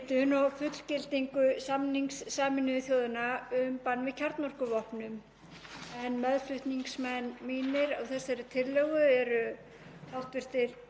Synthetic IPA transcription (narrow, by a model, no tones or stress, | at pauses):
t̪ʏnɔɣfʏt̪l̥cɪlt̪iŋkʏsamniŋksːaːmɪnʏθjoːwðʏnaʏmpanːvɪðcʰaɾt̪nɔr̥kʏvɔhpnʏm | ɛnːmɛðl̥ʏht̪niŋksmɛnmiːnɪɾawθɛsaɾɪt̪ʰɪlːɛɣʏɛɾʏ | awht̪vɪr̥t̪ɪɾ̥